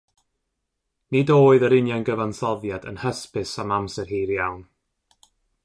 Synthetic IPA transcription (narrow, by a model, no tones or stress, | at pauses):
nidoːɨðəɾɪnjanɡəvanθɔðjadə̰nhəspɪsamamsɛrhiːɾjawn